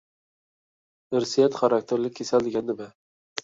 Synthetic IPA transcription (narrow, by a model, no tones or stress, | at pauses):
ɪɾsijat̪χaɾak̚t̪ʰeɾlɪkʲʰːesald̪ɪɡʲand̪ɪbɪ